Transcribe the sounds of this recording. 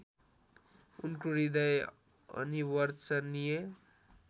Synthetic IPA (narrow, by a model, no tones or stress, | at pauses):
unkoɾid̪ʌj | ʌ̰niwʌɾt͡sʌnije